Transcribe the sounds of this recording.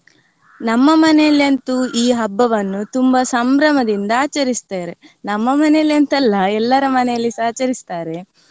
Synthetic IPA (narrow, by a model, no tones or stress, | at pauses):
nɐmːɐmɐnɛjɐlːɐnt̪uʔiːɦɐbːɐʋɐnːut̪umbɐsɐmbɾɐmɐd̪ind̪ɐaːt͡ʃɐɾist̪aːɾe̞nɐmːɐmɐnɛɐliɐnt̪ɐlːɐɛlːɐɾɐmɐnɛjɐlːisaːt͡ʃɐɾist̪aːɾe̞